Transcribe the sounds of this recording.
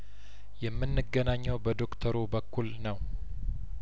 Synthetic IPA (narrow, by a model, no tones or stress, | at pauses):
jɛmːɨnːɨɡənaɲːɛwbəd̪o̞kt̪ʰəɾubəkːulnəw